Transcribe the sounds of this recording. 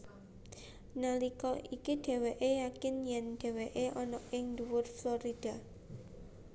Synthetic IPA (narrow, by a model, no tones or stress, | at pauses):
nalikɔʔikiɖ̥e̤weʔejakɪnjɛnɖ̪̥e̤weʔeʔɔnɔɪŋduwʊrflɔɾid̥a̤